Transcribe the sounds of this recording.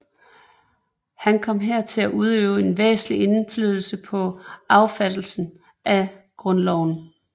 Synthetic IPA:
hænkʰɒ̽m̰ɦeɐ̰t͡sʰe̝læʔuð̞ˠøːʊe̝nʋḛːsn̩lie̝nflyð̞ˠl̩səpʰɒ̽ɑ̈ʊfæd̥l̩sn̩ | ʔæ | ɡ̥ʁɔ̽nlɒʊ̰n

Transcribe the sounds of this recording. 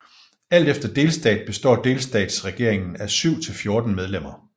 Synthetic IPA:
æl̰d̥efd̥ɐd̥e̝ːlsd̥ɛ̰ːd̥̚b̥e̝sd̥ɒ̰ːd̥e̝ːlsd̥ɛ̰ːd̥sʁɛɡ̥e̝ɐ̰eŋn̩æsyʊ̰t͡sʰe̝lfjo̝ɐd̥n̩með̞ˠlem̰ɐ

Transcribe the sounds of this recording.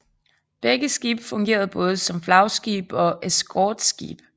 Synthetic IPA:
b̥eɡ̥əsɡ̥iːb̥fɔ̽ŋɡ̥e̝̰ːɐð̞̩ˠb̥ɔ̽ːð̞̩ˠəsɒ̽mflɑ̈ʊsɡ̥ḭːb̥ɒ̽ʔesɡ̥ʰɒːd̥sɡ̥ḭːb̥

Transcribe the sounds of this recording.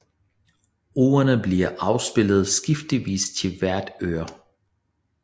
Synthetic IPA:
o̝ːɐnəbliɐʔɑ̈ʊsb̥e̝l̰ð̞̩ˠsɡ̥ifd̥liʋḭːst͡sʰe̝lʋæɐd̥øːɐ

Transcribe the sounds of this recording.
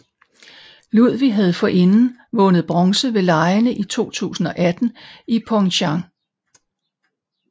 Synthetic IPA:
luð̰ˠʋiɦæð̞ˠfɒ̽ʔe̝nn̩ | ʋɔ̽nəð̞̩ˠb̥ʁɒ̽ŋsəʋe̝lɑ̈ɪnəʔit͡sʰo̝̰ːt͡sʰṵːsn̩ɒ̽ʔæd̥n̩ipʰɒŋɕɑŋ

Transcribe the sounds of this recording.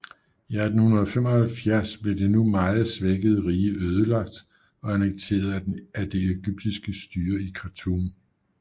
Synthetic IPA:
iæd̥n̩hunɐðˠfem̰ɒ̽hælfjæɐ̰sb̥le̝d̥e̝numɑ̈ːð̩ˠsʋeɡ̥əð̞̩ˠəʁiːəʔøːð̞ˠəlɑ̈ɡ̥̚d̥ | ɒ̽ænəɡ̥̚t͡sʰe̝̰ːɐð̞̩ˠæd̥e̝eɡ̥yb̥̚d̥isɡ̥əsd̥yːɐikʰɑt͡sʰum

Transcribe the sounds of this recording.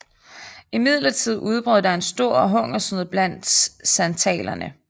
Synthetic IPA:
imið̞̰ˠlɐt͡sʰið̞̰ˠuð̞ˠb̥ʁœð̰ˠd̥ɑ̈e̝nsd̥o̝ɐ̰ɒɦɔ̽ŋ̰ɐsnuðˠb̥læn̰d̥sænt͡sʰɛ̰ːlɐnə

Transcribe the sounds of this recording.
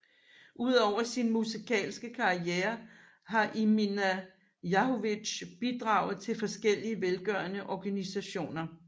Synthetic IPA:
ʔuð̞̰ˠɒʊ̰ɐsinmusikʰɛ̰ːlsɡ̥əkʰɑ̈ieːɐ | ɦɑ̈ʔiminæ | jɑ̈hoʋiɕb̥id̥ʁɑ̈ːʊð̞̩ˠt͡sʰe̝lfɒ̽sɡ̥el̰iəʋelɡ̥ɶɐnəʔɒɡ̥ænisæɕo̝̰ːnɐ

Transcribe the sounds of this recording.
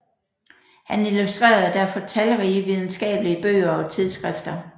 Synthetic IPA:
hænilusd̥ʁḛːɐð̩ˠd̥æɐfɒ̽t͡sʰælʁiːʋið̞ˠn̩sɡ̥ɛ̰ːb̥əliəb̥ø̰ːɐɒ̽t͡sʰið̞ˠsɡ̥ʁɛfd̥ɐ

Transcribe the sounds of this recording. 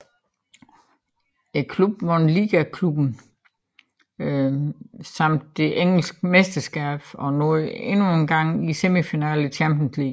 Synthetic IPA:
ækʰlub̥̚mɔnliːɡ̥ækʰlub̥n̩ | sɑ̈m̰d̥ːe̝ʔeŋ̰l̩sɡ̥mesd̥ɐsɡ̥ɛːb̥ɒ̽nɔðe̝nuenɡ̥ɑ̈ŋ̰isemifinɛːlət͡ɕʰæmbjənslḭːɡ̥

